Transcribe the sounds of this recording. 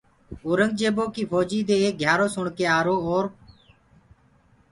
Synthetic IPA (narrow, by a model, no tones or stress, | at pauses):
oːɾəŋɡ̚d͡ʒeːboːkiːfʰoːd͡ʒiːd̪eːeːk̚ɡʱjaːɾoːsʊɳkeːaːɾoːoːɾ